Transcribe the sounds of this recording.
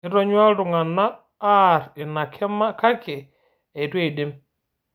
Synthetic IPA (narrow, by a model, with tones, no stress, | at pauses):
ɪ˦ɾɔ˦ɲwa˦ɾʊ˨ŋa˨naː˦ | ɾɪ˨na˨kʰɛ˦ma˦ka˦kɪ˨ | ɛ˨twe˦˨i˨dɪ˦m